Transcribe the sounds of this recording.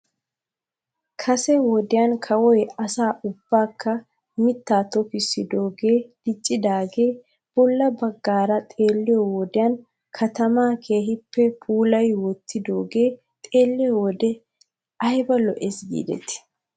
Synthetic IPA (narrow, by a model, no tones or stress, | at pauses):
kʰɐsɛwɔd̪ɪjankʰɐwɔjɐsaːʔʊbːaːkʰːɐ | mɪt̪ːaːt̪ɔfɪsɪd̪o̞ːɡe̞ːd̪̥ɪt͡ʃʼːɪd̪aːɡe̞ː | b̥ɔlːɐbɐɡːaːɾɐt̪ʼe̞ːlːɪjɔwɔd̪ɪjɐːn | kʰɐt̪ɐmaːkʰe̞ːɦɪpːɛpʰuːlɐjwɔt̪ʰːɪd̪o̞ːɡe̞ː | t̪ʼe̞ːlːɪjɔwɔd̪ɛ | ɐjbɐlɔʔesɡḭːd̪ɛ̰t̪ɪ̥